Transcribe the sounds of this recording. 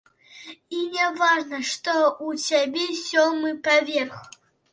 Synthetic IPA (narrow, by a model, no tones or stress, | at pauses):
inʲɛvaʐnɐʂt̪ɔusʲabʲɛsʲɔmɨpavʲɛrxu